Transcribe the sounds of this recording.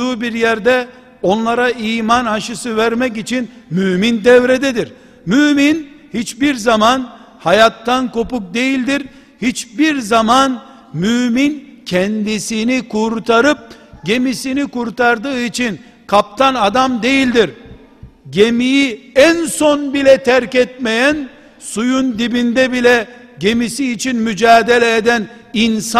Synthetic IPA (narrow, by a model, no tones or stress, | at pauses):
uːbiɾjɛɾd̪ɛ | o̞nlˠaɾaiːmanaʃɯsɯvæɾmɛc̬it͡ʃʰinmymind̪ɛvɾɛd̪ɛd̪iɾ | myminhit͡ʃbiɾzaman | hajat̪ːanko̞puk̚d̪e̞jilʲd̪iɾ | hit͡ʃbiɾzaman | mymincʰɛnd̪isinikʰuɾt̪ʰaɾɯp̚ɟe̞misinikuɾt̪aɾd̪ɯːit͡ʃʰin | kʰap̚t̪ʰanad̪amd̪e̞jilʲd̪iɾ | ɟe̞mijiænsonbilʲɛt̪ʰæɾcɛt̪̚mejæn | sujund̪ibind̪ɛbilʲɛ | ɟe̞misiːt͡ʃʰinmyd͡ʒaːd̪elʲɛed̪æn | ins